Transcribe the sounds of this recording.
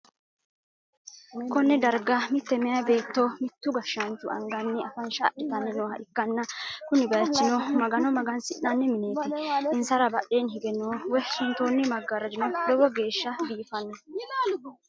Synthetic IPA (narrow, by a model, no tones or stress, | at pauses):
kɔnːɛd̪ɐɾɡɐmɪt̪ːɛmɛjɐbe̞ːt̪ːomɪt̪ːʊɡɐʃɐnt̪ʊʔɐ̰ŋɡɐnːɛɐfɐnʃaʔɪt̪ɐnːɛnoːhɐ̰ʔɪkːɐnːɐkʊnɪbɐjt͡ʃːɪnɔmɐɡɐnɔmɐɡɐnsɪʔːɐnːɛmɪne̞ːt̪ɪɪnsɐɾɐbɐɗːe̞ːnhɪɡɛnːɔwɔjʃɪnt̪oːnːɛmɐɡːɐɾɐd͡ʒɪnɔlɔbɔɡe̞ːʃːɐbiːfɐnːɔ